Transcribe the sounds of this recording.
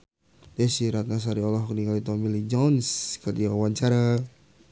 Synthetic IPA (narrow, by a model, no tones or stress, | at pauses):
dɛsiɾat̪̚nas̬aɾiɔlɔɦɔkniŋalit̪ɔmilid͡ʒɔnskat̪iaawaɲt͡ʃaɾa